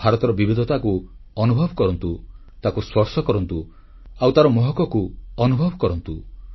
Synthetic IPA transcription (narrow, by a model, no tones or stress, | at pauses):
aɾɔt̪ɔɾɔbibid̪ʱɔt̪akuɔnubʱɔbʱɔkɔɾɔnt̪u | t̪akuswɔɾsɔkɔɾɔnt̪u | awt̪aɾɔmɔɦɔkɔkuɔnubʱɔbʱɔkɔɾɔnt̪u